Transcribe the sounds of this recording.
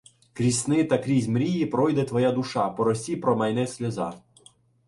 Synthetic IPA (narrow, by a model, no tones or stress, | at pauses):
kɾʲisʲnɪt̪ɐkɾʲizʲmɾʲijipɾɔjd̪ɛt̪ʋɔjad̪uʃɑpɔɾɔsʲipɾɔmɐjnɛsʲlʲɐzɑ̰